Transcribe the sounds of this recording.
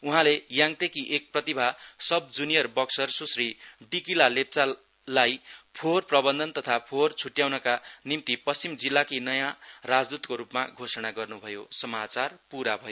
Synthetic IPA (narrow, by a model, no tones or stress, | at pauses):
uɦãlejãŋt̪ekiʔek̚prʌt̪ibʱasʌb̚d͡zunijʌrbʌksʌrsusriɖikilalep̚t͡sa | lajpʰorprʌbʌnd̪ʱʌnt̪ʌt̪ʰapʰort͡sʰuʈjawnʌkanimt̪ipʌst͡simd͡zilːakinʌjãrad͡zd̪ut̪koɾupma̰ɡʱosʌɽ̃aɡʌrnubʱʌjosʌmat͡sarpuɾabʱʌjo